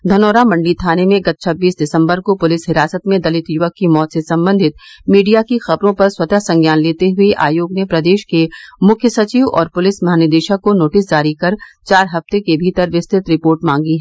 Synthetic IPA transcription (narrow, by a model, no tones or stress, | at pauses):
d̪ʱɐnoːɾamɐ̃ɳɖit̪ʰaːnemẽɡɐt̪̚t͡ʃʰɐbːiːsɖɪsə̃mbəɾkopʊlɪsɦɪɾaːsət̪mẽd̪ɐlɪt̪jʊʋəkːimɔːt̪sesɐ̃mbə̃nd̪ʱɪt̪̚miːɖijakixɐbɾõpɐɾswɐt̪asɐ̃ŋɡjaːnleːt̪eɦʊeʔa̰ːjoːɡnepɾɐd̪eːʃkemʊkʰjəsɐt͡ʃiːʋɔ̰ːɾpʊlɪsmɐɦaːnəd̪eːʃakonoːʈɪs̬d͡ʒaːɾikɐɾt͡ʃaːɾɦɐft̪ekebʱiːt̪əɾʋɪst̪ʰɪt̪ɾɪpoːɾʈmãːŋɡiɦɛː